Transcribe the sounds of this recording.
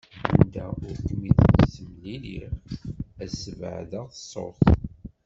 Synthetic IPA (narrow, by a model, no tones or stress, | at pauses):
ənd̪æʊɾkmiðməsəmlilḭʁæsəv̰ʕðəʁθəsˤːo̰ɾθ